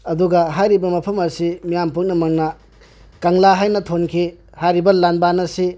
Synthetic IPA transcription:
ɐduɡɐɦajɾibɐmɐpʰɐmɐɾsimijampuk̚nɐmɐŋnɐ | kɐŋlaɦajnɐtʰonkʰi | hajɾibɐlanbanɐsi

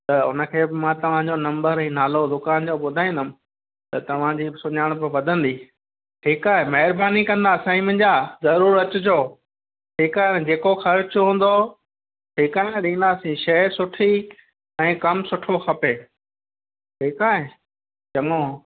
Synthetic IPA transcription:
t̪ɐʊ̰nə̆kʰeːbɪmãt̪ɐʋ̤ãd͡ʑonɐ̃mbəɾɛ̃ːnaːlod̪ʊkaːnd͡ʑoɓʊd̪ʱaːĩnd̪əm | t̪ɐt̪ɐʋ̤ãd͡ʑiːsʊɲaɪɽ̃p̬ɐʋɐd̪ʱə̃nd̪iː | ʈʰiːkaːɦemɐɦɪɾbaːnikɐ̃nd̪asãːĩmɐ̃̆d͡ʑazɐɾuːɾɐt͡ɕʊd͡ʑoː | ʈʰiːkaːɦẽd͡ʑeːkoxɐɾt͡ɕɦũːn̆d̪o | ʈʰiːkaːɦẽɗĩːn̆d̪aːsĩʃɐɾsʊʈʰi | ɛ̃ːkɐmsʊʈʰoxɐpeː | ʈʰiːkaːɦe | t͡ɕɐŋoː

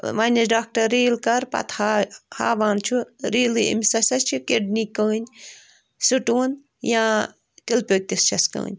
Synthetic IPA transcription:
ʋɐnʲɐɖaːk̚ʈɐɾiːlkɐɾpɐ̰t̪ʰhaha̰ːʋaːnt͡ʃʰuɾiːlɨḭmʲsɐsɐst͡ʃʰikeɖnikːəːnʲ | sɨʈuːn | jãː | t̪ilpʲək̚t̪ist͡ʃʰɐskɐ̰ːnʲ

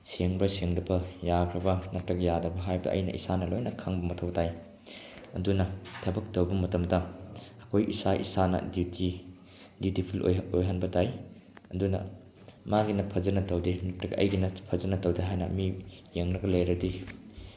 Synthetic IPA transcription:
seŋbɐseŋdɐbɐjakʰɾɐbɐnɐp̚tːɐɡɐjadɐbɐɦajbɐ̰ʔɐ̰jnɐ̰ʔḭsanɐlojnɐkʰaŋbɐmɐtʰɐwtaj | ɐdunɐtʰɐbɐk̚tɐwbɐmɐtɐmdɐɐkʰojʔisaʔḭsanɐ̰ditʰi | dijutipʰilʔo̰jɦojɦanbɐtaj | ɐdunɐ̰ | maɡinɐpʰɐzɐnɐtɐwdenɐptɐɡɐʔɐ̰jɡinɐpʰɐzɐnɐtɐwdeɦajnɐ̰mijeŋɾɐɡɐlɐjɾɐdi

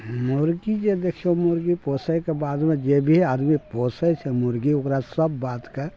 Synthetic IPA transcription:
mʊɾɡid͡ʒed̪eːkʰomʊɾɡipoːsəjkebaːd̪mẽd͡ʒebʱiaːd̪mipoːsəjt͡ʃʰɛmʊɾɡiʊkɾasəbːaːt̪ka

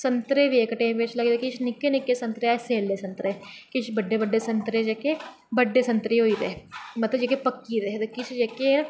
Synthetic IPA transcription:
sənt̪ɾeːbiekʈẽːmpet͡ʃʰləɡeːd̪ekɪt͡ʃʰnɪkːeːnɪkːeːsə̃nt̪ɾeaːseːlːeːsənt̪ɾeːkɪt͡ʃʰbəɖːeːbəɖːeːsənt̪ɾeːd͡ʒeːkeː | bəɖːeːsənt̪ɾeɦoːit̪eːmət̪ləbd͡ʒeːkepəkːit̪eːt̪ekɪt͡ʃʰd͡ʒeːke

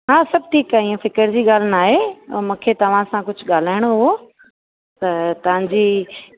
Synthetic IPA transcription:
ɦãːsɐb̚ʈʰiːkaːɪ̃ːũfɪkəɾd͡ʑiːɠaːl̤ɪnaːɦemũːkʰet̪ɐʋ̤ãsãkʊd͡ʑʱʊɠaːl̤aːɪɽ̃oɦʊɦo | t̪ɐt̪ɐʋ̤ãɲd͡ʑiː

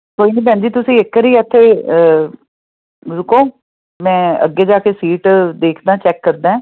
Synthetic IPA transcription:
koːiːniːbɛ̃ːnd͡ʒiːt̪ʊsĩːɪkːəɾiːət̪ʰːeːə | ɾʊkõː | mɛ̃ːə̰ɡːeːd͡ʒaːkesiːʈd̪eːkʰd̪ãːt͡ʃɛːkːəɾd̪ãːɛ̃ː

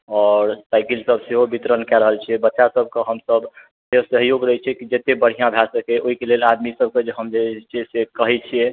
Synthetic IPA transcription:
ɔːɾsaɪkilsəbseɦobit̪ɾənkɛɾəɦəlt͡ʃʰiɛbətːʃasəb̚ʱkeɦəmsəb | seɦosəɦjoɡɾəɦɛt͡ʃʰɛkid͡ʒet̪ebəɽ̤ijãbʱasəkeʔoɦikelelad̪misəb̚ʱked͡ʒeɦəmd͡ʒet͡ʃʰisekəɦɛt͡ʃʰie

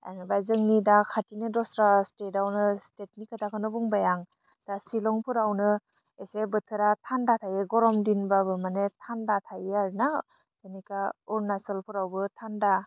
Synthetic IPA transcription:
a̰jnɯbajzɯŋnidakʰatinɯdɔsɾastedawnɯstet̚nikatʰakʰɯnɔbuŋbajaŋ | d̥asilɔŋpʰɯɾawnɯ | esebɯtʰɯɾatʰandatʰajeɡɔɾɔmdinbabɯmanetʰandatʰajaɾna | z̥enikaɔɾnasɔlpʰuɾawbɯtʰanda

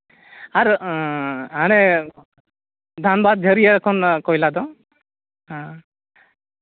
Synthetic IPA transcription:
aɾ | añɛ | d̪ʱanbad̪̚d͡ʒʱəɾijəkʰɔnkɔjlad̪ɔ | ɦã

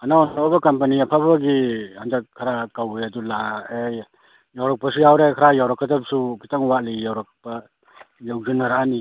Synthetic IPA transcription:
anaɔnɔbakampaniapʰabaɡihand͡ʒak̚kʰːaɾakawbɯjadulae | jawɾak̚pasujawɾekʰaɾajawɾakʰːadap̚subitaŋwalijawɾak̚pa | jawzɯnaɾani

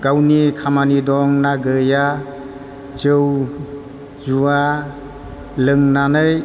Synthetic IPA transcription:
ɡawnikʰamanidɔŋnaɡɯja | zɯw | zua | lɯŋnanɯj

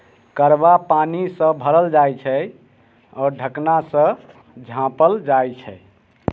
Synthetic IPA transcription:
kəɾbapanisə̃bʱəɾəld͡ʒajt͡ʃʰɛ | ɔːɾɖʱəknasə̃ | d͡ʒʱãpəld͡ʒajt͡ʃʰɛ

